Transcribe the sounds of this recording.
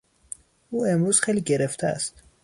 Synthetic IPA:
ʔuːemɾuːz̥xejliːɟeɾeft̪ʰææ̰st̪

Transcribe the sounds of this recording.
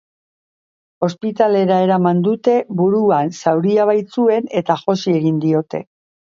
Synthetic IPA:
o̞spit̪ale̞ɾae̞ɾamand̪ut̪e̞βuɾuansawɾiaβ̞ajt͡sue̞ne̞t̪aʝo̞sie̞ɣind̪io̞t̪e̞̰

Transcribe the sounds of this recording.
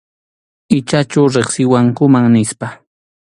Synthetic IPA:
ɪt͡ʃat͡ʃawɾeχsɪwaŋkʊmaŋnɪspa

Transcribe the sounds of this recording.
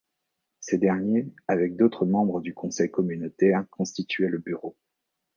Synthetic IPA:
sed̪ɛʁnjeavɛk̚d̪ot̪χəmɑ̃bʁəd̪ykɔ̃sɛjkɔmynot̪ɛʁʁkɔ̃st̪it̪ɥɛləbyʁo

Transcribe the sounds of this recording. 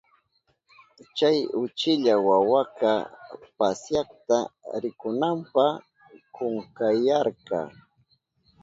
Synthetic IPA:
t͡ʃajʊt͡ʃɪʎawawakapasjɑχt̪aɾɪkʊnampɑχ | kʊŋkajaɾɢɑ̰

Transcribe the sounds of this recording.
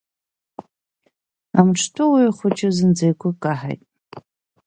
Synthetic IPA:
amʈ͡ʂʰtʰʊwijχʷʊt͡ʃʰɪzɨnd͡zejkʷʰʊkʼaħa̰jtʼ

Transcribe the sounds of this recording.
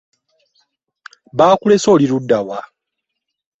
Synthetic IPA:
βaːkule̞so̞ːliludːawa

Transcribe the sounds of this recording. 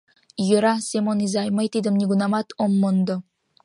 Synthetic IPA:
joɾasemonizajmajt̪id̪ɪmnʲiɡunamat̪ʰomːond̪o

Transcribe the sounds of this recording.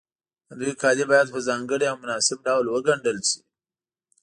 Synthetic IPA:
d̪ujkɑd̪ibɑjad̪̚pəzɑŋɡəɽiawmʊnɑsɪb̚ɖawlwəɡaɳɖəlsi̥

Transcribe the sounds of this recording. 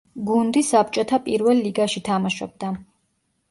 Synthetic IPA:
ɡund̪isap̚t͡ʃʼɔt̪ʰapʼiɾvɛlːiɡaʃit̪ʰamaʃɔ̰b̚d̪a

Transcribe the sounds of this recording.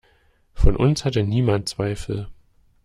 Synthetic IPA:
fɔnʔʊ̰nshatəniːmant̚t͡sv̥aɪfl̩

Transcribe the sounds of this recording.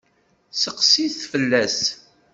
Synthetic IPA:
səqsiθθfəlːæs

